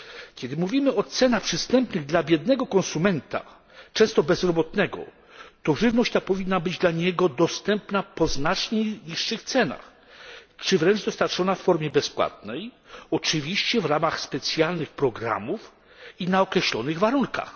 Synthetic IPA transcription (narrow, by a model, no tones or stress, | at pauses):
kʲɛd̪ɘmuvʲimɘɔt̪sɛnaxpʂɘst̪ɛmpnɘɣd̪labʲjɛd̪nɛɡɔkɔ̃nsumɛnt̪a̰ | t͡ʂɛ̃w̃st̪ɔbɛzɾɔbɔt̪nɛɡɔ̰ | t̪ɔʐɘvnɔɕt͡ɕt̪apɔvʲinːabɘd͡ʑd̪laɲɛɡɔd̪ɔst̪ɛmpnapɔznat͡ʂɲeɲiʂːɘxt̪sɛna̰x | t͡ʂɘvɾɛnʐd̪ɔst̪aɾt͡ʂɔnafːɔɾmʲjɛbɛspwa̰t̪̚nɛj | ɔt͡ʂɘvʲiɕt͡ɕɛvɾamaxspɛt̪sʲjalnɘxpɾɔɡɾa̰muf | inaɔkɾɛɕlɔ̰nɘɣvaɾunka̰x